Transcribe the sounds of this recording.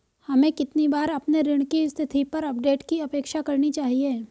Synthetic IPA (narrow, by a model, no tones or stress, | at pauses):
hɐmẽkɪt̪nibaːɾɐpneɾɪɽ̃kist̪ʰɪt̪ʰipɐɾɐpɖeːʈkiɐpeːkʃakɐɾnit͡ʃaːɦieː